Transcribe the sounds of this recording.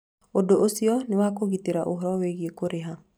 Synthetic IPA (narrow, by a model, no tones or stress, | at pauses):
odoʔosiɔnewakoɣiteɾaʔoɦɔɾɔweɣiekoɾeɦa